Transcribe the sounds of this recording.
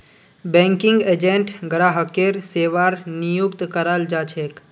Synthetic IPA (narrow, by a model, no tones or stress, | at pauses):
bɛ̃ŋkɪ̃ŋɡeːd͡ʒẽɳʈɡɐɽaɦəkeɾseːʋaɾnijukt̪kəɾald͡ʒaːt͡ʃʰeːk